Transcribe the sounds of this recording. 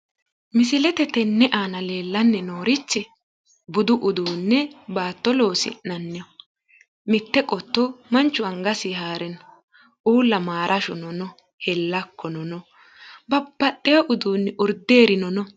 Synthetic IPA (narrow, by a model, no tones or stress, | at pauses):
mɪsɪlɛt̪ɛt̪ɛnːɛʔaːnɐle̞ːlːɐnːɛnoːɾɪt͡ʃːɪ | bʊd̪ʊʔʊd̪uːnːɛbaːt̪ːɔlo̞ːsɪ̰nɐnːɛɔ | mɪt̪ːɛkʼɔt̪ːɔmɐnt͡ʃːʊɐŋɡɐsɪɦaːɾɛn | ʔuːlːɐmaːɾʔɐʃʊnɔnɔ | hɛlːɐkːɔnɔnɔ | bɐbːɐtʼːɛjɔʔʊd̪uːnːɪʔʊɾd̪eːɾɪnɔnɔ